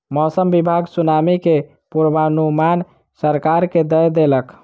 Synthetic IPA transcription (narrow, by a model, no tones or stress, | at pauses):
mɔsəmbibʱaɡsunamike | puɾbanuman | səɾkaɾked̪əjd̪elək